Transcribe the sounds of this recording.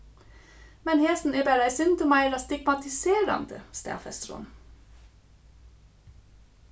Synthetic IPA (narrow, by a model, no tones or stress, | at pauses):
mɛnheːsn̩eːbæɾæɪsʏnt̪ʰəmæɪlɑst̪ɪɡmɑt̪ɪseːɾɑ̰nd̪ə̰st̪æ̰ːfɛ̰st̪ɾʊ̰n